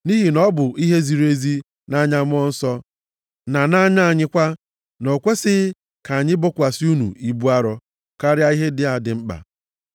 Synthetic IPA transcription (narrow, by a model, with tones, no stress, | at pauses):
ni˦ɦi˨nɔ˦bʊ˨i˦ɦe˦zi˨ɾe˦zi˦ | na˦ɲa˦mʊ˦ɔ˦n̩˦sɔ˦ | na˨na˦ɲa˦a˨ɲɪ˦kʷa˦ | no˨kʷe˦sɪ˦ | ka˨a˨ɲɪ˦bɔ˦kʷa˨si˦u˦nṵ˨i˨bu˦a˦ɾɔ˦ | ka˦ɾɪ˦a˦i˦ɦe˦dɪ˦a˨dɪ˨ŋ͡m̩˦k͡pa̰˨